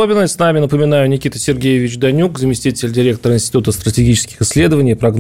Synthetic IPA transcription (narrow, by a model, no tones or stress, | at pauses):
obʲɪnːəsnamʲɪnəpəmʲɪnajʊnʲɪkʲit̪əsʲɪrɡʲejɪvʲɪt͡ɕd̪ɐnʲukzəmʲɪsʲtʲitʲɪlʲdʲɪɾʲe̞k̚t̪əɾəɪnsʲtʲɪ̥t̪ut̪əst̪ɾətʲɪɡʲit͡ɕɪ̥skʲɪxɪsʲːlʲe̞d̪əvənʲɪjpɾɐɡn